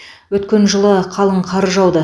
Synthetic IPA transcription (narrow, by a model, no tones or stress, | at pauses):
wɵt̪kʲe̞nʒəlˠəqʰɑlˠəɴqʰɑɾəʒɑwd̪ə